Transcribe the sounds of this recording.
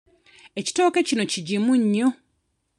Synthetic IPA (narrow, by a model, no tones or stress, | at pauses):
eci̥to̞ːkecino̞ciɟimuɲːo